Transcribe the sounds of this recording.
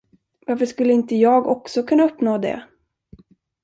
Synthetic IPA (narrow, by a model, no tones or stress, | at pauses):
vaɾfəʂkɵlːəɪnt̪əjɑːɡɔksɔkʰɵnːaɵpːnoːd̪ɛ̰